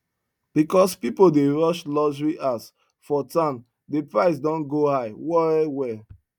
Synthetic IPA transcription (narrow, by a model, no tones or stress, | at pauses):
b̥ikɔspipodeɹɔʃlɔʒɹiʔas | fɔtãm | depɹaɪs̬dɔ̃nɡohaɪwɔɛwɛ